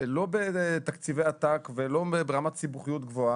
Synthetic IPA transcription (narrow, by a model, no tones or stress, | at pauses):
lo̞bet̪akt͡sivejat̪akvelobebeʁamat̪sibuχijut̪ɡvo̞a